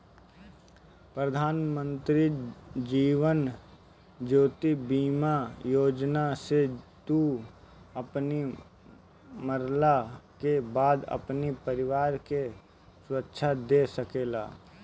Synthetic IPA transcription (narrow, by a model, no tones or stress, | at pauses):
pɾəd̪ʱaːnmə̃nt̪ɾid͡ʒiːʋən | d͡ʒoːt̪ibiːmajoːd͡ʒnaset̪u | ɐpni | məɾlakebaːd̪ə̰pnipəɾɪʋaːɾke | swətːʃʰad̪esəkeːla̰ː